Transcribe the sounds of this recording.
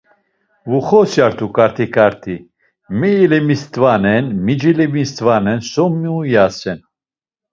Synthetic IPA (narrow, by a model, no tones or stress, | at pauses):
vuχɔsjaɾt̪ʰukʼaɾt̪ʰikʰʼaɾt̪ʰi | mɛːlɛmist̪ʼvanɛnmid͡ʒilɛmist̪vanɛnsɔmːiujasɛn